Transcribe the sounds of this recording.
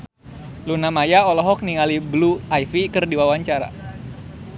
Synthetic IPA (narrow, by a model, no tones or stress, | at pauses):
lunamajaɔlɔɦɔk̚niŋalibluajfikɨrdiwawaɲt͡ʃaɾa̰